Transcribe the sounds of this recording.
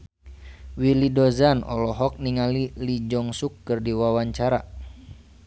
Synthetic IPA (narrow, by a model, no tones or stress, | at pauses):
wilidɔzanɔ̰lɔɦɔk̚niŋalilid͡ʒɔŋsukːɨrdiwawaɲt͡ʃaɾa